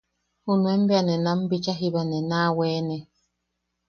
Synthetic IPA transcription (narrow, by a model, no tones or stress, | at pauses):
hunuɛmbanɛnam̩bit͡ʃaɦibanɛnawɛːnɛ